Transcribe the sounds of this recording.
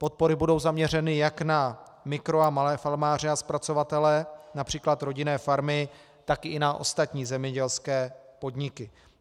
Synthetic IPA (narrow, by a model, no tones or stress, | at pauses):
po̞t̪̚po̞ɾɪbudo̞wzamɲɛr̝ɛnɪjakna | mɪkɾo̞amalɛːfalmaːr̝ɪaspɾat͡so̞vat̪ɛlɛnapr̝̥iːklat̪ɾo̞ɟɪnɛːfaɾmɪ | t̪akɪnaʔo̞̰st̪at̪ɲiːzɛmɲɛɟɛlskɛːpo̞dɲɪkɪ